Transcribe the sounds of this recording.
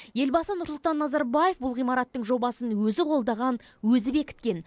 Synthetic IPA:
je̞lbɑsənʊɾslˠt̪ɑnːɑzɑɾbaje̞fbʊlˠʁijmɑɾɑt̪ːəɴʒo̞bɑsənwɵzɪqʰo̞lˠd̪ɑʁɑn | wɵzɪbe̞kʲɪ̥t̪̚kʲe̞n

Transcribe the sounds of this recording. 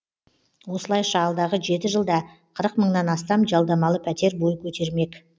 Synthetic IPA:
wo̞səlˠɑjʃɑːlˠd̪ɑʁəʒe̞t̪ɪʒəlˠd̪ɑ | qʰəɾəqməɴnɑnɑst̪ɑmʒɑlˠd̪ɑmɑlˠəpʰæt̪e̞ɾbo̞jkʲʰɵt̪e̞ɾme̞k

